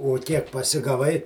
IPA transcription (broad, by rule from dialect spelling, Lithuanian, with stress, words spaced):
oː ˈkʲiɛk pɐsʲɪɡɐˈʋɐɪ